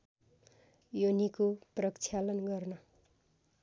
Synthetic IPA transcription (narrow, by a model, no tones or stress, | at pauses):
jonikoprʌkt͡sʰjalʌnɡʌrnʌ